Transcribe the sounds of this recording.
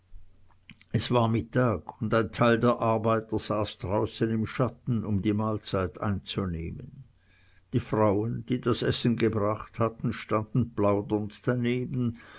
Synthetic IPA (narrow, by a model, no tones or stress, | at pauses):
ʔɛsv̥aːɐmɪtʰaːɡʊndaɪntʰaɪldeːɐʔaʁbaɪtəz̥aːsd̥ʁaʊsənɪmʃatn̩ʊmdiːmaːlt͡saɪta̰ɪnt͡sunḛːmən | d̥iːfʁaʊənd̥iːdasʔɛsn̩ɡəbʁaχthatn̩ʃtand̥n̩blaʊdəntd̥aneːbən̩